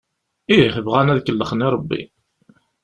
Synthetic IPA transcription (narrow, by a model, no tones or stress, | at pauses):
ihəvʁænæðkəlːəχniɾˤəbːḭ